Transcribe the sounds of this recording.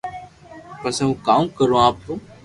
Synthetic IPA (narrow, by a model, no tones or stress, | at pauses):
kəseũːkaːũkəɾõːaːp̚t̪õː